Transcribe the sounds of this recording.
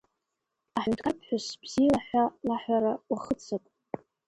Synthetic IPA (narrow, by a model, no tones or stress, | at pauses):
aħʷʊntʰʼkʰapʰħʷᶣʊsb̥z̥ilaħʷalaħʷaɾawaχət͡sʰatʼ